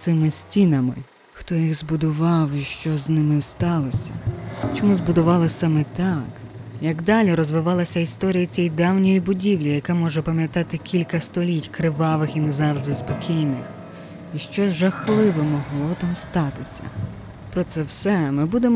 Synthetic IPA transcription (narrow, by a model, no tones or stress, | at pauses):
sɪmɪsʲtʲinɐmɪ̰ | xt̪ɔjiɣzbʊd̪ʊʋɑwiʃt͡ʃɔznɪmɪst̪ɑlˠɔsʲɐ̰t͡ʃɔmuzbʊd̪ʊʋɑlˠɪsɑmɛt̪ɑk | jɐɡd̪ɑlʲiɾɔzʋɪʋɑlˠɐsʲɐist̪ɔɾʲijɐt͡sʲɛjd̪ɑwnʲɔjibʊdʲiwlʲijɐkamɔʒɛpɐmjɐt̪ɑt̪ɪkʲilʲkɐst̪ɔlʲitʲkɾɪʋɑʋɪxinɛzɑwʒd̪ɪspɔkʲijnɪx | iʃt͡ʃɔʒɐxlˠɪʋɛmɔɦlˠɔt̪ɑmst̪ɑt̪ɪsʲɐ̰ | pɾɔt̪sɛwsɛmɪbud̪emɔ